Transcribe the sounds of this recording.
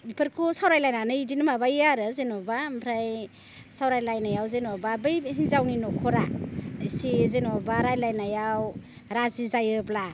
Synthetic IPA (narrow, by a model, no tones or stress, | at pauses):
bipʰɯɾkʰusawɾajlajnanɯidinmabajaɾɯzenɔbampʰɾaj | sawɾajlajnajawzenɔbabɯjɦinzawninɔkʰɔɾasezenɔbaɾajlajnajaw | ɾazizajɯbla